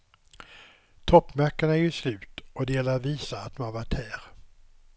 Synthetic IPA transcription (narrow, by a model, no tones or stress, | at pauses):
t̪ʰɔpːmæɾkːəɳaæjɵʂlʉ̟ːt̪ʔɔd̪ɛjɛlːəɾviːsaat̪̚d̪ɔmhavaʈhæːɾ